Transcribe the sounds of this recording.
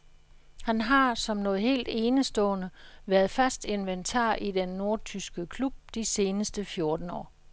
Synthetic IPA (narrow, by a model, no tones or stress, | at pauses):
hænɦɑ̈sɒ̽mnɔ̽ːð̩ˠhe̝̰ːld̥e̝ːnəsd̥ɔ̰̽ːnəʋæːɐð̩ˠfɶsd̥e̝nʋent͡sʰɑ̰̈ːʔidenːo̝ɐt͡sʰysɡ̥əkʰlub̥̚d̥ise̝ːnəsd̥əfjo̝ɐd̥n̩ɒ̰ː